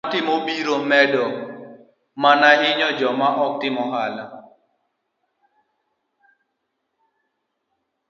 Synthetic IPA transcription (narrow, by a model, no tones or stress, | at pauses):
tɪmobiɾomɛdɔ | manaɦɪɲɔd͡ʒɔmaʔɔk̚tɪmɔɦala